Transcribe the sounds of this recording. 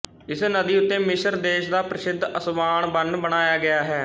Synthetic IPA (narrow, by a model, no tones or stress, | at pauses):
ɪsnəd̪iːʊt̪ːẽːmɪʃəɾd̪eːʃd̪aːpɾəsɪd̪ʱːəsbaːɳbənɖbəɽ̃aːjaːɡɪjaːɦɛː